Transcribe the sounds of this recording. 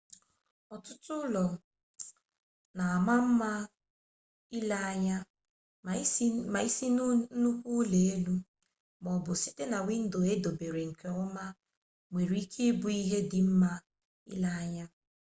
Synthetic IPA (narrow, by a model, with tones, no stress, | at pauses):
ɔ˨tʊ˦tʊ˦lɔ˨ | na˨a˨ma˦m̩˦ma˦ | i˦la˦˨ɲa˦ | ma˨i˦si˦nu˦kʷu˦le˨e˦lu˦ | mɔ˨bʊ˨si˦te˦na˨wʷɪ˦n̩˦do˨e˦do˨be˨ɾe˨ŋ̩˨ke˨ʊ˦ma˦ | ŋʷe˨ɾi˨˦i˦kʰe˦bʊ˦i˦ɦe˦dɪ˨m̩˦ma˦ | ḭ˦la˦a˦ɲa˦